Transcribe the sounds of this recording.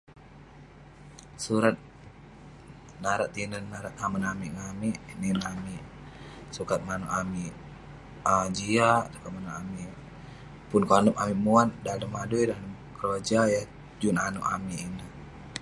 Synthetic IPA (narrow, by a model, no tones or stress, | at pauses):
suɾat̪̚ | naɾaʔt̪ːinənːaɾat̪̚hamanamiʔŋamiʔninamiʔ | sukat̪̚mano̰ʔami | ad͡ʒiaʔsu̥kat̪̚manoʔami | pʊnkanɔpamimuan̚dadəmadujdan | kəɾod͡ʒaja | d͡ʒunanɔ̰ʔa̰miinə